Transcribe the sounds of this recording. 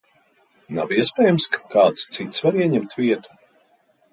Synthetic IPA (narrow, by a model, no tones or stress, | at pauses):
na̰viɛspʲɛːjamskkaːt̪st̪sit̪svaɾiɛɲɛmt̪vʲiɛt̪u̥